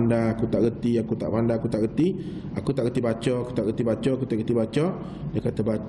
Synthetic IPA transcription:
ndaakut̪aʔɡət̪iakut̪a̰ʔpandaːkut̪aʔɡət̪i | akut̪aʔɡət̪ibat͡ʃɔaku̥t̪aʔɣət̪ibat͡ʃɔakut̪aʔɡət̪ibat͡ʃɔ | dəkat̪əba

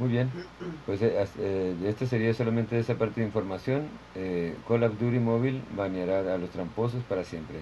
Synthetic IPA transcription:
mujβje̞npwe̞seaseest̪es̬e̞ɾiaso̞lament̪e̞esapaɾt̪eðiɱfo̞ɾmasjo̞nekolabd̪uɾimo̞βilbanjaɾaalo̞st̪ɾampo̞s̬ospaɾasje̞mpɾe

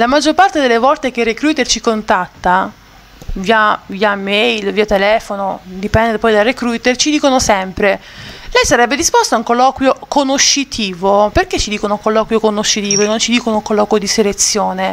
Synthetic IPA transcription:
lamad͡ʒːorpart̪ed̪elːevɔlt̪ek̟erːekɾuːt̪ert͡ʃikont̪at̪ːa | viːaviːamejlviːat̪elɛːfonod̪ipɛnd̪epɔjd̪arːekɾut̪ert͡ʃid̪iːkonosɛmpɾe | lɛjsaɾɛbːed̪ispost̪oauŋkolːɔːkwjokonoʃːit̪ʰiːvoperket͡ʃːid̪iːkonokolːɔːkwjokonoʃːit̪iːvoenːont͡ʃid̪iːkonouŋkolːɔːkwjod̪iselet̪sːjoːne

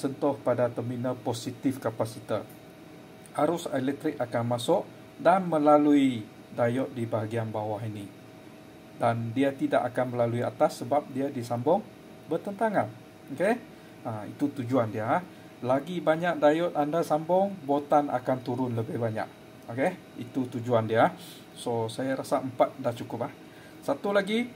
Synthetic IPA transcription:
sənt̪ʊhpadat̪əminəposit̪ɪfkapasit̪a | haɾʊsɛlɛk̚t̪ɾɪk̚akanmasʊʔ | danməlalui | dajɔt̪̚dibaɦaɡianbawaɦini | dandiat̪idaʔakanməlaluia̰t̪asːəbap̚diadisambɔŋ | bərt̪ənt̪aŋan | oke | aḭt̪ut̪ud͡ʒuandia | laɡibaɲak̚dajɔt̪̚andasambɔŋbot̪ana̰kant̪uɾʊnləbɪhbaɲa̰ʔ | oke | it̪ut̪ud͡ʒuandia | sosajaɾasaʔəmpat̪̚daht͡ʃukʊp̚ah | sat̪ulaɡi

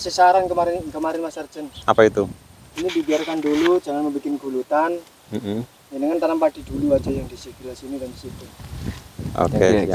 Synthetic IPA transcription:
səsaɾankəmaɾɪnkəmaɾɪnmasərd͡ʒənapait̪uinidibiarkandulud͡ʒaŋanməmbikɪnɡulut̪an | m | jiniŋant̪anampad̥i̤duluḁd͡ʒajaŋdisəɡilasinidaŋsit̪u | o̰kḛ

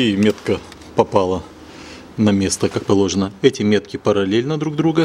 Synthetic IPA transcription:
imʲe̞t̪kə | pɐpalˠə | nɐmʲe̞st̪əkak̚pɐlˠo̞ʐɨnəɛtʲɪmʲe̞t̪̚kʲɪpəɾɐlʲelʲnəd̪ɾuɡ̚d̪ɾuɡə

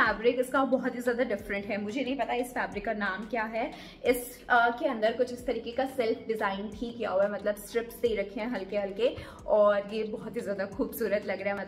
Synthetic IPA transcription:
aːbɾɪkɪskabɔɦʊt̪ɦizjaːd̪aɖɪfɾə̃ɳʈɦɛmʊd͡ʒʱenɐ̃ɦĩpɐt̪aɪsfæːbɾɪkːanaːmkjaːɦɛ | ɪs | əkeɐ̃nd̪əɾkʊt͡ʃʰɪst̪ɐɾiːkekasɛlfʰɖɪzaːɪnʈʰikija̰ɦuɛmɐt̪ləbsʈɾɪpseiɾɐkʰẽɦɛ̃ɦɐlkeɦɐlke | ɔːɾjebɔɦt̪ɦizjaːd̪axuːbsuːɾət̪lɐɡɾaɦɛmɐt̪l

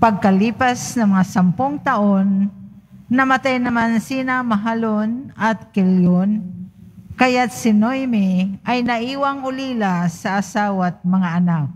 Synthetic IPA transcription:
paɡ̚kaliːpasnɐŋmɐŋasampʊŋt̪aʔonː | ɐmat̪ajnɐmansiːnamaɦalonat̪̚kɪljon | kajat̪̚sɪnojmɪʔajnaʔiːwaŋʊliːlasaːsaːwat̪̚mɐŋaʔanak̚

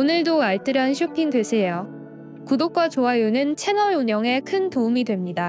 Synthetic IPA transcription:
onɯɭdoaɭt͈ɯɾanɕʰjopʰiŋdwesʰe̞jo | kudok͈wat͡ɕoajunɯnt͡ɕʰe̞nʌɾuɲʌŋe̞kʰɯntoumidwe̞mɲida

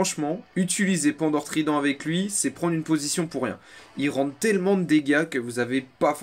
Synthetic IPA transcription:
ɑ̃ʃmɑ̃yt̪̬ilizepɑ̃d̪ɔʁt̪χid̪ɑ̃avɛklɥisɛpχɑ̃d̪ʁynpozisjɔ̃puʁjɛ̰̃ilʁɑ̃d̪t̪ɛlmɑ̃d̪əd̪eɡakəvuzavepaf

